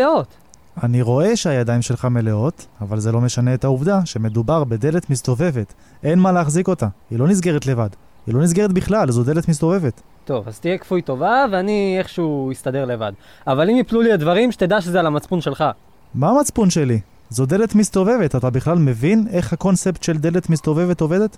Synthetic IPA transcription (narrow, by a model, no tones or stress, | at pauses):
ot̪ | aniʁo̞e̞ʃeajadaimʃe̞lχame̞le̞o̞tavalze̞lo̞me̞ʃane̞ːt̪hauvd̪aʃe̞me̞d̪ubaʁbe̞d̪e̞le̞t̪mist̪o̞ve̞ve̞t̪ | e̞nmaleaχziko̞tailo̞nizɡe̞ʁet̪le̞vad | hilo̞nizɡe̞ʁetbiχlalzotd̪eletmis̬t̪o̞ve̞ve̞t̪ | to̞vazt̪ijekfujt̪o̞vaveanieχʃeuist̪ad̪e̞ʁleva̰d | avalimipluliedvaʁimʃet̪ed̪aʃezealamat͡spunʃelχa | maːmat͡spunʃeli | zot̚d̪elet̪mist̪o̞ve̞vetatabiχlalme̞vine̞χhako̞nsept̪ʃe̞ld̪e̞le̞t̪mist̪o̞ve̞ve̞to̞ve̞de̞t̪